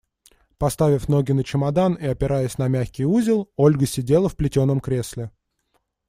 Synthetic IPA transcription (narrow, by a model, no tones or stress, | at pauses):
pɐst̪avʲɪfn̪o̞ɡʲɪnət͡ɕɪmɐd̪aniɐpʲɪɾʔajəsʲnɐmʲæxʲkʲɪjuzʲɪlˠo̞lʲɡəsʲɪdʲe̞lˠəfplʲɪtʲo̞nːəmkɾʲe̞sʲlʲɪ